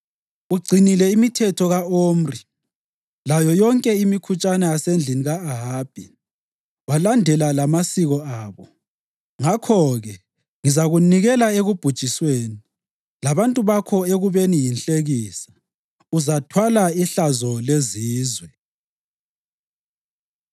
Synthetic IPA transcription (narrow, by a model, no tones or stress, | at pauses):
uɡ͡ǀʱinilɛimitʰɛtʰɔɣaoːm̩ri | lajɔjɔŋkʼɛimikʰut͡ʃʼanɛasend͡ɮʱiniɣaːɦab̥ʱi | walandʱɛlalamasiɣɔaːβɔ | ŋakʰɔɣɛ | ŋizaɣuniɣɛlaeɣub̥ʱud̥ʒ̥ʱisweːni | laβantʼuβakʰɔeɣuβenijinɬʼeɣiːsḁ | uzatʰwalaiɬazɔleziːzwɛ